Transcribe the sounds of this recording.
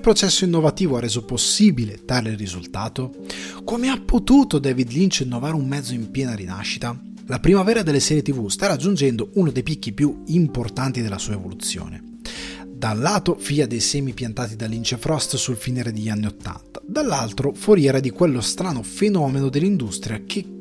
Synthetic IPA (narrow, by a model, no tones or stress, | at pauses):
pɾot͡ʃɛsːoinːovat̪iːvoarːeːzoposːibilet̪aɾeilrizult̪aːt̪o | komeapːot̪uːt̪od̪ɛːvid̪lint͡ʃinːovaːɾumːɛd̪zːoimpjɛːnaɾina̰ʃːit̪a | lapɾimavɛːɾad̪elːesɛːɾjet̪ivust̪aɾad͡ʒːund͡ʒɛnd̪ounod̪ejpik̟ːipjuimport̪ant̪id̪elːasuːevolut̪sːjo̰ːnḛ | d̪alːaːt̪ofiːad̪ejsɛːmipjant̪aːt̪id̪alːint͡ʃefɾɔst̪sulfinɛːɾed̪eʎːanːiot̪ːa̰nt̪ḁd̪alːalt̪ɾofoɾjɛːɾad̪ikwelːost̪ɾaːnofenɔːmenod̪elːind̪ust̪ɾjak̟ʰe